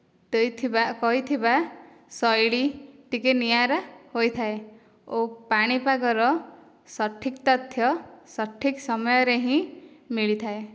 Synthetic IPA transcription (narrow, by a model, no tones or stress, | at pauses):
t̪ejt̪ʰibaʔkɔɦit̪ʰiba | sɔjɭit̪ikenijaɾahojt̪ʰae | opaɽ̃ipaɡɔɾɔ | sɔʈʰːikt̪ɔt̪ʰjɔsɔʈʰːiksɔmɔjɔɾeɦĩmiɭit̪ʰae